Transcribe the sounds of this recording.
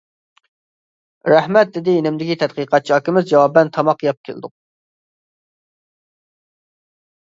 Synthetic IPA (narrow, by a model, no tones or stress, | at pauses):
ɾɛhmɛt̪̚d̪ɪd̪ɪenɪmd̪ɪkʲit̪ʰɛt̪qiqʰɑt̪̚t͡ʃʰiɑkʲɪmɪzd͡ʒɑwɑbɛnt̪ʰɑmɑqjɑp̚kʲʰḛl̰ˠd̪ʊq̚